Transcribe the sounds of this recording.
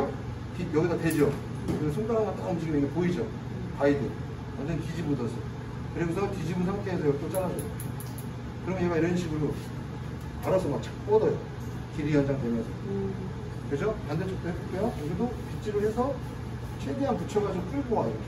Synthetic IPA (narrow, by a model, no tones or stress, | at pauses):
tijʌɡisʰote̞d͡ʑo | kɯnsʰuŋkaɾɦaŋat͈aʌnd͡ʑiɡimiɡepoid͡ʑo | paide | wʌnd͡ʑʌntid͡ʑibudʌsʰʌ | kɯɾeɡusʰʌtid͡ʑibuns̬ʰaŋt͈ʰeɦes̬ʰʌjʌɡit͈ʌt͡ɕ͈ʰaɾadejo | kɯɾʌmʌjemaiɾʌnɕʰiɡuɾo | aɾʌsʰʌmak̚t͡ɕ͈ʰḁk̚p͈ʌdʌjo | kiɾijʌnd͡ʑaŋdemʌnsʰʌ | kɾesʰʌtandet͡ɕ͈ok̚t͈oekk͈ejojʌɡidopit͡ɕ͈iɾɯɭhe̞sʰʌ | t͡ɕʰindeɦanput͡ɕʰʌɡad͡ʑop͈ʰuɭboɦajo